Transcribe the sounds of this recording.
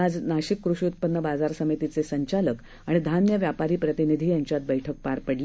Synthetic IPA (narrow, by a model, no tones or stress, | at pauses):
ad͡znaɕikːɾuɕjut̪̚pənːəbad͡zaɾsəmit̪it͡sesəɲt͡ɕalək | aɽ̃id̪ʱanjəʋjapaɾiːpɾət̪inid̪ʱiːjaɲt͡ɕjat̪̚bəjʈʰək̚paɾpəɽli